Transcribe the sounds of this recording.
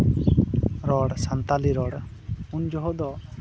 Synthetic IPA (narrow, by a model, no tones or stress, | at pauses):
ɾɔɽsant̪aliɾɔɽ | und͡ʒɔɦɔd̪ɔ